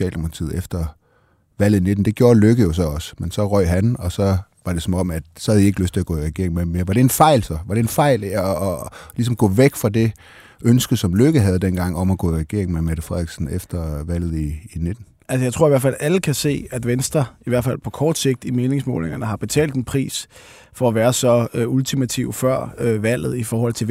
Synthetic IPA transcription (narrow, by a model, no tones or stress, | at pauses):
ɛ̰ːldemokʰɑt͡sʰḭːð̩ˠefd̥ɐ | ʋæl̰ð̩ˠine̝d̥n̩d̥e̝ɡ̥jo̝ːɐløɡ̥əjo̝s̬ɒ̽ɒ̽sə̥mensɒ̽ʁœɪ̰ɦænɒ̽sɒ̽ | ʋɑ̈ɾ̥e̝sɒ̽mɒ̽mæd̥sɒ̽hæðˠie̝ɡ̥əløsd̥t͡sʰe̝læɡɔ̰̽iʁɛɡ̥e̝ɐ̰eŋmemeɐʋɑ̈ɾ̥e̝enfɑ̈ɪ̰lsɒ̽ʋɑ̈ɾ̥e̝enfɑ̈ɪ̰lɒlis̬ɒ̽mɡ̥ɔ̰̽ːʋeɡ̥fʁɑ̈d̥e̝ | ʔønsɡ̥ð̩sɒ̽mløɡ̥əɦæð̞ˠd̥enɡ̥ɑ̈ŋ̰ɒ̽mɒɡ̥ɔ̰ːiʁɛɡ̥e̝ɐ̰eŋn̩memæɾ̥əfʁɛð̰ˠɡ̥sn̩efd̥ɐʋæl̰ð̞̩ˠiːned̥n̩ | ʔælsəjaɪt͡sʰʁo̝ɐiʋæɐfæl̰æləkʰæse̝̰ːæd̥ʋensd̥ʁɐiʋæɐd̥fælpʰɒ̽kʰɒːd̥se̝ɡ̥̚d̥ime̝ːne̝ŋsmɔ̰ːlne̝ŋɐnəɦɑ̈b̥e̝t͡sʰɛ̰ːld̥enpʰʁḭːs | fɒ̽æʋæːɐsɒ̽øult͡sʰimæt͡sʰiʊfɶɐ̰øʋæl̰ð̞̩ˠifɒːhɒ̽l̰t͡sʰe̝